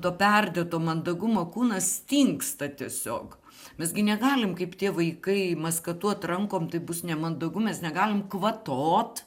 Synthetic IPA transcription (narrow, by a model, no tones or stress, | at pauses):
t̪oːpʲɛrʲd̪ʲeːt̪oːmɐnd̪ɐɡʊmoːkuːnɐst̪ʲiŋkst̪ɐt̪ʲiɛsʲo̰ːk | mʲɛsɡʲɪnʲɛɡɑːlʲɪmkɐɪpt̪ʲiɛʋɐɪkɐɪmɐskɐt̪uːɐt̪rɐŋkoːmt̪ɐɪbʊsnʲɛmɐnd̪ɐɡʊmʲɛsnʲɛɡɑːlʲɪmkʋɐt̪oːt̪